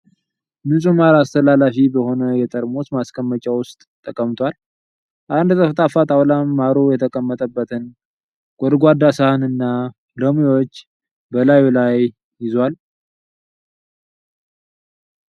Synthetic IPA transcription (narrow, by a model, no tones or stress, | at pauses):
mɨsʼumalast̪ʰəlalafibəho̞nəjɛt̪ʼəɾmot̪maskʰəmːət͡ʃʼawʊst̪ʼt̪ʼːəkʼəmt̪ʰʷal | ʔand̪t̪ʼəft̪ʼafat̪ʼawlamːaɾojɛt̪ʰəkʼəmːət̪ʼəbːət̪ʰɨn | ɡ̥ʷʼɔd̪ɡʷad̪asəhɨnɨnːa | ləmiot͡ʃː | bəlajulaj | jɪzwal